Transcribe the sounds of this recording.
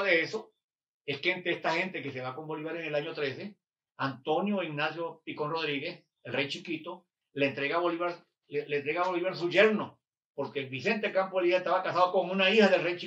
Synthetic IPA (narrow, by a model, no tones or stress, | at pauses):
ðeeso | e̞skeent̪eest̪axe̞nt̪e̞kese̞βako̞mbo̞liβaɾenelaɲo̞t̪ɾe̞se | ant̪o̞njo̞iɣnasjo̞piko̞nro̞ðɾiɣe̞s | elrejt͡ʃikit̪o | lent̪ɾeɣaβoliβaɾ | lent̪ɾeɣaβoliβaɾs̬uʝeɾno̞ | poɾkeβise̞nt̪ekampoeliaest̪aβakasaðoko̞ŋunaihaðe̞lrejt͡ʃi